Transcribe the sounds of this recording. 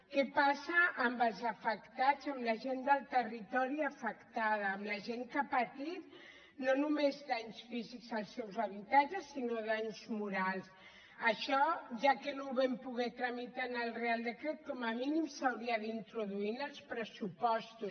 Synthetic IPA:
kɛpasəʔːmbəlˠzəfəkt̪azəmləʒend̪əlˠt̪ərit̪ɔɾiəfəkt̪að̞əːmləʒeŋkapət̪it̪̚ | nonumezd̪aɲsfizikzəlˠsɛwzəβit̪ad͡ʒəsːinoðaɲzmuɾalˠs | əʃɔʒakənoβɛmpuɣɛt̪ɾəmit̪anəlˠrealˠd̪əkɾet̪̚kɔməminimsəwɾiəðint̪ɾuðuinəlˠspɾəsupɔst̪us

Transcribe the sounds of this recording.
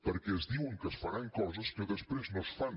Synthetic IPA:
pəɾkɛəzðiwŋkəsfɐɾaŋkɔzɐskəðəspɾeznɔ̃sfan

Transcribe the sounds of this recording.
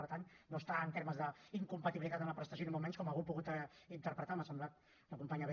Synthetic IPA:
əɾt̪annːost̪aənt̪eɾməzðəiŋkumpət̪iβilit̪at̪əmləpɾəst̪əsjonimõmɛɲskɔmaɣupuɣut̪int̪əɾpɾət̪aməsəmblat̪̚ | unəkumpaɲəβe

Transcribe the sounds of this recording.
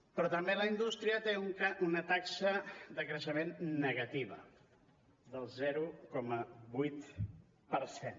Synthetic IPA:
pɾɔt̪əmbeləind̪ust̪ɾiət̪euŋkaunət̪aksəðəkɾəʃəmenːəɣət̪iβ̞ə | d̪əlˠzɛɾukɔməβujt̪ | pəɾsen

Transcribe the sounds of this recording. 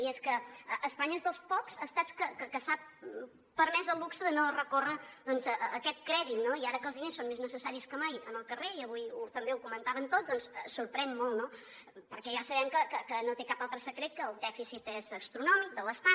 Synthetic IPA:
ieskəəʔːspaɲəezðəlˠspɔkzəst̪at͡skəkəkəsap̚ | pəɾmɛzəlˠβuksəðənorəkorəd̪ɔnzəʔːkɛt̪̚kɾɛðit̪̚noiaɾəkəlˠzðinesːonmeznəsəsaɾiskəmajənəlˠkəreiəβujut̪əmbeukumənt̪aβənt̪ot̪̚d̪ɔnsəsuɾpɾɛnmolˠt̪nopəɾkɛʒasəβɛmkəkəkənot̪ekapalˠt̪ɾəsəkɾet̪̚kəːlˠd̪ɛfisit̪ezəst̪ɾunɔmik̚d̪əlˠəst̪a

